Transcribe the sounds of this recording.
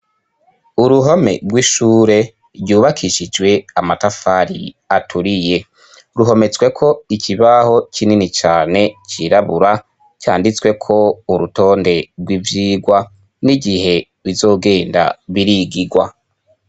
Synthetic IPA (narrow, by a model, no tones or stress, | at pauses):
uɾuɦome̞̰bɡwiʃuːɾe̞ | ɾɟuːβakʰiʃid͡ʒwe̞amatafaɾḭ | atʰuɾije̞ | ɾuɦo̞me̞t͡swe̞kʰo̞ikʰiβaho̞kininit͡ʃaːne̞t͡ʃiɾaβuɾa | ca̰ːndit͡swe̞kʰo̞uɾuto̞ːnde̞ɾɡwivjiːɡwa | niɡihe̞ | wizo̞ːɡe̞ːnda̰βiɾiɡiɡwa